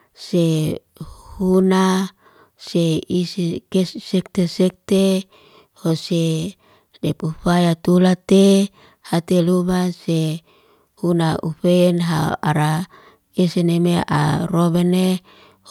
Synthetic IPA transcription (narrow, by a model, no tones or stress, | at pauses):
se | huna | seisikessɛk̚t̪esɛk̚t̪e | hose | dɛpufajat̪ulat̪e | hat̪elumase | hunaʔufenɦaa̰ɾa | esenemea̰robɛne